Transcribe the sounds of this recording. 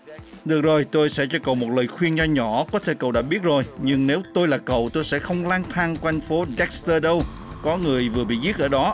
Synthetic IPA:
ɗɨ˨˩ək̚zo˨˩jt̪o˧jsɛ̰˧˥t͡ɕɔ˧kə̰˨wmo˨˩t̚ləː˨˩jxwi˧ənzɔ˧ɲɔ˧˩˥kɔ˨˦t̪ʰe˧˩kə˧˨wɗa̰ː˧˥ɓi˦˥ət̚zo˨˩jɲɨ˧ŋne˨˦wt̪o˧jlaː˨˩kə̰˧˨wt̪o˧jsɛ̰˧˥xə˧wŋ͡mlaː˧ŋt̪ʰaː˧ŋkʔa˧ŋ̟fo˨˦ɗɛ˦˥k̚st̪əː˧ɗə˧w | kɔ˨˦ŋɨ˨˩əjvɨ˨˩əɓḭ˧˨zi˦˥ʔəː˧˩ɗɔ˨˦

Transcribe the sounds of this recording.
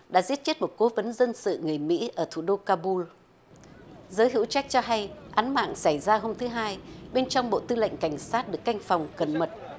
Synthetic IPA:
ɗa̰ː˧˥zi˦˥ət̚t͡ɕe˦˥t̚mo˨˩t̚ko˨˦və˨˦nzə˧nsɨ̰˧˨ŋɨ˨˩əjmḭ˧˥ʔəː˧˩t̪ʰu˧˩ɗo˧kaː˧ɓu˧l | zəː˨˦jɦḭ˧˥wt͡ɕa˦˥k̟̚t͡ɕɔ˧ɦa˧jʔaː˨˦nma̰ː˧˨ŋsa˧˩jzaː˧ɦo˧mt̪ʰɨ˨˦ɦaː˧jɓe˧nt͡ɕɔ˧wŋ͡mɓo̰˧˨t̪ɨ˧lə̰˧˨jŋ̟ka˧˩jŋ̟saː˦˥t̚ɗɨ˨˩əkːa˧jŋ̟fɔ˨˩wŋ͡mkə˨˩nmə˨˩t̚

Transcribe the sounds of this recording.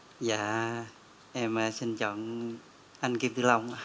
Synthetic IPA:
ja˨ | ʔɛ˧˩ma˧sʰe˧˨nt͡ɕɔ˨˦ŋ | ʔa˧nke˧ɯ˧la˧˨˧ŋa˧

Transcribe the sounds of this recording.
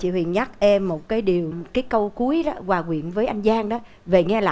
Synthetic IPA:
t͡ɕḭ˧˨hwḭ˧˨ənɲa˦˥k̚ʔɛ˧mːo˨˩t̚kaː˨˦jɗi˨˩əwkaː˨˦jkə˧wku˨˦əjɗɔ˨˦kwaː˨˩kwḭ˧˩˨ənvəː˨˦jʔa˧jŋ̟zaː˧ŋɗɔ˨˦ | ve˨˩ŋɛ˧la̰ː˧˨

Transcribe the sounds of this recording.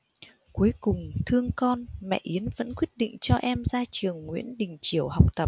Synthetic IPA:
ku˨˦əjkʊ˨˩ŋ͡mt̪ʰɨ˧əŋkɔ˧nmɛ̰˧˨ʔi˨˦ənvə̰˧˥nkwi˦˥ət̚ɗḭ̈˧˨ŋ̟t͡ɕɔ˧ʔɛ˧mzaː˧t͡ɕɨ˨˩əŋːwḭ˧˥ənɗï˨˩ŋ̟t͡ɕi˧˩əwha˨˩wk͡p̚t̪ə˨˩p̚

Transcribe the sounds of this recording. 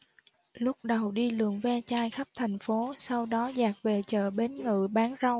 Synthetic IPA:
lʊ˦˥k͡p̚ɗə˨˩wɗi˧lɨ̰˧˨əŋvɛ˧t͡ɕaː˧jxə˦˥p̚t̪ʰɛ˨˩jŋ̟fo˨˦sa˧wɗɔ˨˦zaː˨˩k̚ve˨˩t͡ɕə̰ː˧˨ɓe˨˦nŋɨ̰˧˨ɓaː˨˦nzə˧w

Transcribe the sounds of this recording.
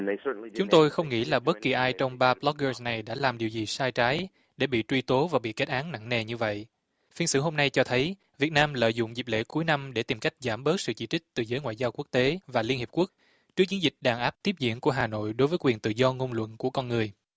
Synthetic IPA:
t͡ɕʊ˨˦ŋ͡mt̪o˧jxə˧wŋ͡mŋḭ˧˥laː˨˩ɓə˦˥t̚ki˨˩ʔaː˧jt͡ɕɔ˧wŋ͡mɓaː˧blɔ˦˥k̚əː˧sna˨˩jɗa̰ː˧˥laː˨˩mɗi˨˩əwzi˨˩saː˧jt͡ɕaː˨˦j | ɗe˧˩ɓḭ˧˨t͡ɕwi˧t̪o˨˦vaː˨˩ɓḭ˧˨ke˦˥t̚ʔaː˨˦ŋna̰˧˨ŋne˨˩ɲɨ˧və̰˧˨j | fi˧nsɨ̰˧˥ɦo˧mna˧jt͡ɕɔ˧t̪ʰə˨˦j | vi˨˩ət̚naː˧mlə̰ː˧˨jzʊ̰˧˨ŋ͡mzi˨˩p̚lḛ˧˥ku˨˦jna˧mɗe˧˩t̪i˨˩mka˦˥jk̟̚zaː˧˩mɓəː˦˥t̚sɨ̰˧˨t͡ɕḭ˧˩t͡ɕï˦˥k̟̚t̪ɨ˨˩zəː˨˦jŋwa̰ː˧˨zaː˧wku˦˥ək̚t̪e˨˦vaː˨˩li˧ənhi˨˩p̚ku˦˥ək̚ | t͡ɕɨ˦˥k̚t͡ɕi˨˦nzï˨˩k̟̚ɗaː˨˩ŋʔaː˦˥p̚t̪i˦˥əp̚zḭ˧˨ənku˧˩əɦaː˨˩no̰˧˨jɗo˨˦jvəː˨˦kwi˨˩ənt̪ɨ̰˧˨zɔ˧ŋo˧nlwə̰˧˨nku˧˩əkɔ˧nŋɨ˨˩əj

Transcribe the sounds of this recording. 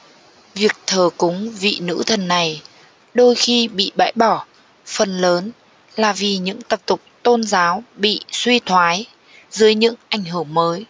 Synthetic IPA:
vi˨˩ək̚t̪ʰəː˨˩kʊ˨˦ŋ͡mvḭ˧˨nɨ̰˧˥t̪ʰə˨˩nːa˨˩j | ɗo˧jxi˧ɓḭ˧˨ɓa̰ː˧˩jɓɔ˧˩ | fə˨˩nləː˨˦n | laː˨˩vi˨˩ɲɨ̰˧˥ŋt̪ə˨˩p̚t̪ʊ˨˩k͡p̚t̪o˧nzaː˨˦wɓḭ˧˨swi˧t̪ʰwaː˨˦j | zɨ˨˦jɲɨ̰˧˥ŋʔa˧˩jŋ̟ɦɨ˧˩əŋməː˨˦j

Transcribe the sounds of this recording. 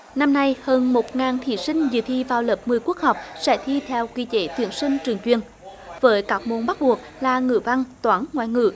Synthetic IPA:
na˧mna˧jhəː˧nmo˨˩t̚ŋaː˨˩nt̪ʰḭ˧˩sï˧ŋ̟zɨ̰˧˨˩t̪ʰi˧vaː˨˩wləː˨˩p̚mɨ˨˩əjku˦˥ək̚ha˨˩wk͡p̚sɛ̰˧˥t̪ʰi˧t̪ʰɛ˧wki˧˩t̪e˧˨˦t̪wḭ˧˩ənsï˧ŋ̟t͡ɕɨ˨˩əŋt͡ɕwi˧˩ən | vəː˨˦jkaː˦˥k̚mo˨˧˩nɓa˦˥t̚ɓu˨˩ək̚laː˨˩ŋɨ̰˧˨va˧ŋt̪waː˨˦nŋwa̰ː˧˨jŋɨ̰˧˩˨

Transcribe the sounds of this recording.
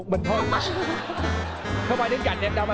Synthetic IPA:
k͡p̚mï˨˩ŋ̟t̪ʰo˧˩ | xə˧whaː˧jɗɨ˨˦ŋka̰˧˨jŋʔɛ˧mɗaː˧˩w

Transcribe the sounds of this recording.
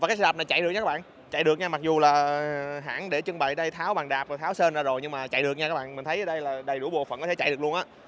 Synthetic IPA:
a˨˩kaː˨˦˥sə˨˩p̚na˨˩jt͡ɕa̰˧˨jɗɨ˨˩k̚ɲaː˧aː˦˥ɓa̰ː˧˨ | t͡ɕa̰˧˨jɗɨ˨˩ək̚ɲaː˧ma˨˩k̚zu˨˩laː˨˩ɦa̰ː˧˥nɗe˧˩t͡ɕɨ˧ŋɓa̰˧˨jɗə˧jt̪ʰaː˨˦wɓa̰ː˨˩ŋɗaː˨˩p̚o˨˩t̪ʰaː˨˦wsə˧nzaː˧zo˨˩jɲɨ˧ŋmaː˨˩t͡ɕa̰˧˨jɗɨ˨˩ək̚ɲaː˧kaː˦˥ɓa̰ː˧˨nmï˨˩ŋ̟t̪ʰjʔəː˨˦ɗə˧jlaː˨˩ɗə˨˩jɗu˧˩˦ɓo̰˨fə̰˨˩nkɔ˦t̪ʰe˧t͡ɕa̰˧˨ɗɨ˨˩ək̚lu˧əʔaː˨˦˥

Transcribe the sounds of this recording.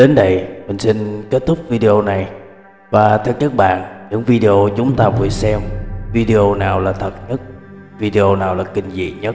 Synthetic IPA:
ɗe˨˦nɗə˧˩jmï˨˩ŋ̟si˧nke˦˥t̚t̪ʰʊ˦˥k͡p̚vi˧ɗe˧ʔo˧na˨˩j | vaː˨˩t̪ʰɛ˧˨˩t̚ɲə˦˥k̚ɓa̰ː˧˨nɲɨ̰˧˥ŋvi˧ɗe˧o˧t͡ɕʊ˨˦ŋ͡mt̪aː˧vu˨˩sɛ˧mvi˧ɗe˧ʔo˧naː˨˩wlaː˨˩t̪ʰə˨˩t̚ɲə˦˥t̚vi˧ɗe˧ʔo˧naː˨˩wlaː˨˩kï˧ŋ̟zḭ˧˨ɲə˦˥t̚

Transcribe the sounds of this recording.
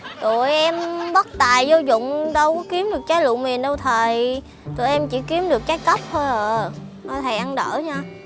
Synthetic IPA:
t̪ṵ˧˨əjʔɛ˧mɓə˦˥t̚t̪aː˨˩jzo˧zʊ̰˧˨wŋ͡mɗə˧wkɔ˨˦ki˨˦əmɗɨ˨˩ək̚t͡ɕaː˨˦jlṵ˧˨ŋ͡mmi˨˩ənɗə˧wt̪ʰəː˨˩j | t̪ṵ˧˨jʔɛ˧mt͡ɕḭ˧˥ki˨˦əmɗɨ˨˩ək̚t͡ɕaː˨˦jkə˦˥p̚tjʔəː˨˩kɔ˨˦t̪ʰe˨˧˩ʔa˧nɗə̰ː˧˩ɲaː˧

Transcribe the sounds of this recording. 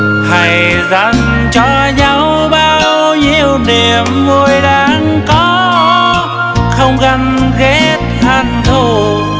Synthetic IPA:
ha˨˩j | za˧˩ŋ | t͡ɕɔ˧ | ɲa˧w | ɓaː˧w | ɲi˧əwne˨˩əmːu˧əjɗaː˨˧˦ŋ | kɔ˨˦ | xə˧wŋ͡mɣa˧˩ŋɣe˦˥t̚ha˧˩nt̪ʰu˧˩

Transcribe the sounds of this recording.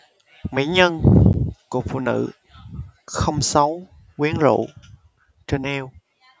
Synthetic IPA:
mḭ˧˥ɲə˧nku˨˩k̚fṵ˧˨nɨ̰˧˥ | xə˧wŋ͡msa˨˦w | kwi˨˦ənzṵ˧˨ | t͡ɕe˧nʔɛ˧w

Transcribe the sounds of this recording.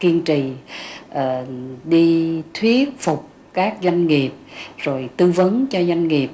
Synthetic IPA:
ki˧ənt͡ɕi˨ʔəː˨˩ɗi˧t̪ʰwi˦˥ət̚fʊ˨˩k͡p̚ | kaː˦˥k̚zwa˧jŋ̟ŋi˨˩əp̚zo˨˩jt̪ɨ˧və˨˦nt͡ɕɔ˧zwa˧jŋ̟ŋi˨˩əp̚

